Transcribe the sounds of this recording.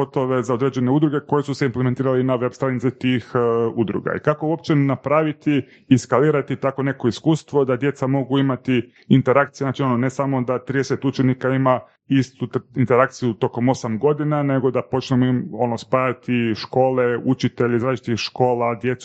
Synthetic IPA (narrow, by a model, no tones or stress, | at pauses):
ot̪o̞ʋe̞zao̞d̪ɾeːd͡ʑe̞ne̞ud̪ɾuɡeko̞jesuseimplement̪iːɾalinaʋe̞bst̪ɾanit̪sit̪ixud̪ɾṵɡa̰ḭkakouopt͡ʃe̞napɾaʋit̪iː | skaliːɾat̪it̪ako̞ne̞ko̞iskuːst̪ʋo̞d̪ad̪je̞t̪samo̞ɡuimat̪i | int̪e̞ɾakt̪sijeznat͡ʃionone̞samo̞d̪at̪ɾid̪eset̪ut͡ʃenikaima | ist̪uint̪eɾakt̪sijut̪o̞ko̞mo̞samɡo̞d̪inane̞ɡo̞d̪apo̞t͡ʃnemoimo̞nospajat̪iʃko̞ːle̞ut͡ʃit̪eʎizɾat͡ʃi̥t̪ixʃko̞ːlad̪je̞t̪s